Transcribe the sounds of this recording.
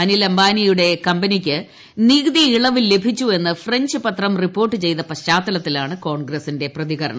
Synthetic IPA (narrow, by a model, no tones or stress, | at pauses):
ɐnilɐmbaːnijuɽe̞kɐmbɐnikʲːɨ | niːɡd̪iiɭɐʋilːe̞bʱit͡ɕːue̞nːɨfre̞ɲd͡ʑɨpɐt̪rɐmripːo̞ːrʈːɨt͡ɕe̞jt̪ɐpɐɕaːt̪ːɐlɐt̪ːilaːɳɨko̞ːɳɡrɐsinde̞prɐðiɣɐɾɐ̰ɳɐ